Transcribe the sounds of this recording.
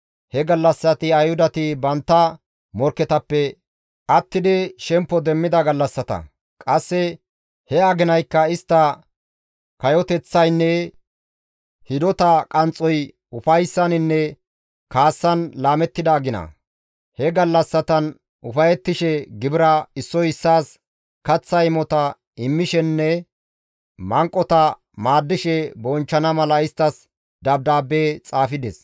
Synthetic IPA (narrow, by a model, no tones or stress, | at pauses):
hɛɡɐlːɐsːɐt̪ɪɐjhʊd̪ɐt̪ɪbɐnt̪ːɐ | mɔɾkːɛt̪ɐpːɛ | kɐt̪ːɪd̪ɪʃɛmpːɔd̪ɛmːɪd̪ɐɡɐlːɐsːɐt̪ɐ̰ | kʼɐsːɛ | hɛaɡɪnɐjkːɐɪst̪ːɐ | kɐjɔt̪ɛt͡sːɐjnːɛ | hɪd̪ɔt̪ɐkʼɐnt͡sʼːɔj | ʊfɐjsːɐnɪnːɛ | kaːsːɐnlaːmɛt̪ːɪd̪aːɡɪnɐ̰ | hɛɡɐlːɐsːɐt̪ɐn | ʊfɐjɛt̪ːɪʃɛɡɪbɪɾɐɪsːɔjɪsːaːs | kɐt͡sːɐjɪmɔt̪ɐ | ɪmːɪʃɛnːɛ | mɐŋkʼːɔt̪ɐ | maːd̪ːɪʃɛbɔnt͡ʃːɐnɐmɐlɐɪst̪ːɐs | d̪ɐb̚d̪aːbːeːt͡sʼaːfɪd̪ɛs